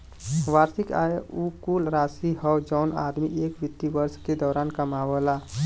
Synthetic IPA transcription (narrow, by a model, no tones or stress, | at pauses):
ʋaːɾsika̰jukuːlɾaːsiɦɔwd͡ʒɔːna̰ːd̪miʔeːkʋɪt̪ːiʋəɾsked̪ɔːɾaːnkəmawəla